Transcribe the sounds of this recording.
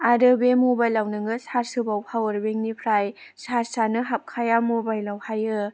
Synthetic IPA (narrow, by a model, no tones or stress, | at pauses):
adɯbemobajlːawnɯŋɯsaɾsɯbawpʰawɐɾbeŋnipʰɾaj | saɾsanɯɦap̚kʰajamobajlawhajɯ